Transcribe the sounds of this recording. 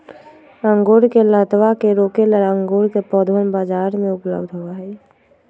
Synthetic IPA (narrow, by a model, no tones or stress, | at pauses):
ɾãŋɡoːɽkelət̪ʋakeɾoːkeləɾãŋɡoːɽkepɔːd̪ʋənbaːd͡ʒaːɾmẽʊplə̰bd̪ʱɦʊaɦɛː